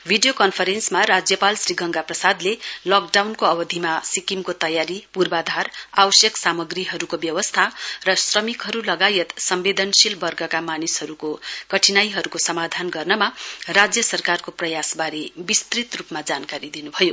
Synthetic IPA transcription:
bʱiɖijokʌnpʰʌɾensmarad͡zjʌpalsriɡʌŋɡaprʌsad̪lelʌk̚ɖawnkoʌbʌd̪ʱimasikimkot̪ʌjaɾipurbad̪ʱarawʌsjʌksamʌɡriɦʌɾukobjʌwʌst̪ʰarʌsrʌmikɦʌɾulʌɡajʌt̪sʌmbed̪ʌnsilbʌrɡʌkamanishʌɾukokʌʈʰinajɦʌɾukosʌmad̪ʱanɡʌrnʌmarad͡zjʌsʌrkarkoprʌjasbaɾebist̪rit̪rupmad͡zankaɾid̪inubʱʌjo

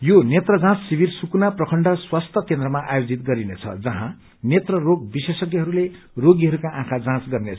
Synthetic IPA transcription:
jonet̪rʌd͡zãt͡ssibirsukunaprʌkʰʌɳɖʌswast̪ʰʌkend̪rʌmaʔajod͡zit̪̚ɡʌɾinet͡sʰʌ̰d͡zʌɦã | net̪rʌroɡ̚bisesʌkiɦʌɾule | roɡiɦʌɾukaʔãkʰad͡zãt͡sɡʌrnet͡sʰ

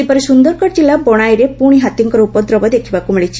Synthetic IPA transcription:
ipɔɾesund̪ɔɾkɔʈd͡ʒilːabɔɽ̃ajɾepuɽ̃iɦat̪iŋkɔɾɔupɔd̪ɾɔbɔd̪ekʰibakumiɭit͡ʃʰi̥

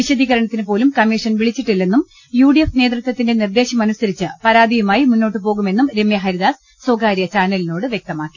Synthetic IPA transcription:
ʋiɕɐd̪iːɣɐɾɐɳɐt̪ːinɨpo̞ːlumkɐmːiʂɐnʋiɭit͡ɕːiʈːilːe̞nːum | juːɽijefne̞ːd̪rɨt̪ʋɐt̪ːinde̞nird̪e̞ːɕɐmɐnusɐɾit͡ɕːɨpɐɾaːd̪ʱijumaːjimunːo̞ːʈːɨpo̞ːɣume̞nːumɾe̞mjɐɦɐɾid̪aːs | soːɡaːɾjɐt͡ɕaːnɐlino̞ːɽɨʋjek̚t̪ɐmaːkːi̥

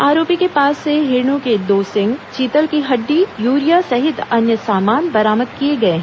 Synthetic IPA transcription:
aːɾoːpikepaːsːeɦɪɾnũked̪oːsɪ̃ŋɡt͡ʃiːt̪əlkiɦɐɖːijuːɾijasɐɦɪt̪ɐnjəsaːmaːnbɐɾaːməd̪̚kieɡɐeɦɛ̃

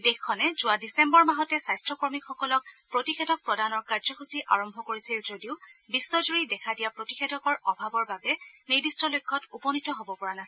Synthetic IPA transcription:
dexkʰːɔnɛzʊwadisembɔɹmaɦɔtɛsajstɹɔkɔɹmikʰxɔkɔlɔk̚pɹotixɛdɔk̚pɹɔdanɔɹkaɹzɔxusiʔaɹɔmbʱɔkoɹisilzodiʊbisːɔzuɹidɛkʰadijapɹotixedʱɔkɔɹɔbʱabɔɹbabɛnedistɔlojkʰːɔtupɔnitɔɦobɔpɔɹanasi

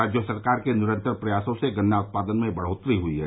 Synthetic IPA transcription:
aːd͡ʒjosɐɾkaːɾkenɪɾə̃nt̪əɾpɾɐjaːsõseɡɐnːaʊt̪̚paːd̪ənmẽbɐɽ̤oːt̪ɾiɦʊiɦɛ̰ː

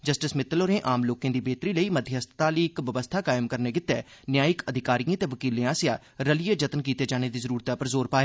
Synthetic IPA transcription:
d͡ʒəsʈɪsmɪt̪ːəloːɾẽːʔaːmloːkẽːd̪iːbeːt̪ɾiːləiːməd̪ʱjəəst̪t̪aːliːɪkʋəʋəst̪ʰaːkaːɪmkəɾneːkɪt̪ːɛːnjaːɪkəd̪ʱɪkaːɾijãːt̪eːʋəkiːliãːsɪjaː | ɾəlijed͡ʒət̪ənkiːt̪eːd͡ʒaːñeːd̪iːzəɾuːɾt̪apəɾzoːɾpaːeː

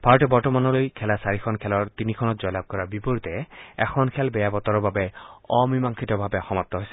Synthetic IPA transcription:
bʱaɹɔtɛbɔɹtɔmanɔlojkʰɛlasaɹikʰɔnkʰɛlɔɹt̪inikʰɔnɔt̪zɔjlab̚kɔɹabipoɹut̪ɛɛxʰɔnkʰɛlbɛjabɔt̪ɔɹɔbabɛɔmimaŋkʰitɔbʱabɛxɔmat̪ːɔɦojsɛ

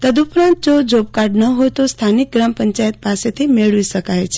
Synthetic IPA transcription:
t̪əd̪upɾãnt̪̚d͡ʒod͡ʒop̚kaɾɖnəɦojt̪ost̪ʰanik̚ɡɾampəɲt͡ʃajət̪̚paset̪ʰimeɭʋisəkajt͡ʃʰe̥

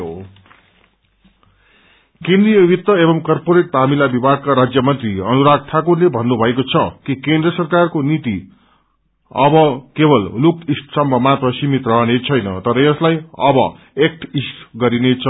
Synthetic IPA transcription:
o | kẽnd̪rijʌbʱit̪ːʌebʌmkʌrpoɾeʈ̚t̪amilabibʱaɡ̚kaɾad͡zjʌmʌnt̪riʌnuɾaɡ̚t̪ʰakurlebʱʌnːubʱʌekot͡sʰʌkikẽnd̪rʌsʌrkarkonit̪i | ʌbʌkebʌllukisʈsʌmbʱʌmat̪rʌsimit̪rʌɦʌnet͡sʰʌjnʌ̰t̪ʌɾʌjʌslajʌbʌ̰ | ek̚ʈʰisʈɡʌɾinet͡sʰʌ

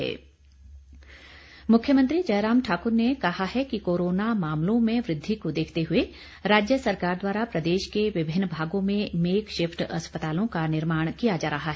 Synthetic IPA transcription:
ɛ̰ː | mʊkʰjəmə̃nt̪ɾid͡ʒɐjɾaːmʈʰaːkʊɾnekɐhaɦɛkikoːɾoːnamaːmlõmẽʋɾɪd̪ʱːikod̪eːkʰt̪eɦʊe | ɾaːd͡ʒjəsɐɾkaːɾd̪waːɾapɾɐd̪eːʃkeʋɪbʱɪnːbʱaːɡõmẽmeːkʃɪpʈɐspət̪aːlõkanɪɾmaːɽ̃kijad͡ʒaːɾɐɦaɦɛː

